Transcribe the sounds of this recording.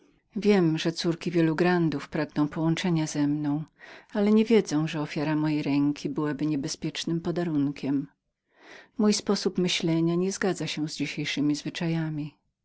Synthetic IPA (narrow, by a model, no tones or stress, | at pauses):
vʲjɛmʐɛt̪suɾkʲivʲjɛluɡɾand̪ufpɾaɡnɔ̃w̃pɔwɔnt͡ʂɛɲazɛmnɔ̃w̃alɛɲɛvʲjɛd̪zɛ̃w̃ʐɛɔfʲjaɾamɔjejɾɛŋkʲʰibɘwabɘɲɛbɛspʲjɛt͡ʂnɘmpɔd̪aɾuŋkʲʰɛm | ujspɔsupmɘɕlɛɲaɲɛzɡad̪zaɕɛzd͡ʑiɕejʂɘmʲizvɘt͡ʂajamʲi